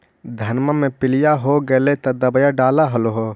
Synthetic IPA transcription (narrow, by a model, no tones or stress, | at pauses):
d̪ʱɐnməmẽpɪlijaɦoɡəlet̪ɐd̪əbəjaɖaːlaɦəloɦo